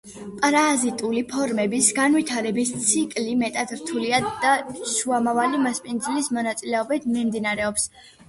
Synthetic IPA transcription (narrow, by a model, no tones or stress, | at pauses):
pʼɾazit̪ʼulipʰɔɾmɛbisɡanwit̪ʰaɾɛbist̪sʰikʼlimɛt̪ʼad̪ɾt̪ʰuliad̪̥aʃuamavalimaspʼind̪zilismɔnat̪sʼilɛɔbit̪ʰmimd̪inaɾɛɔps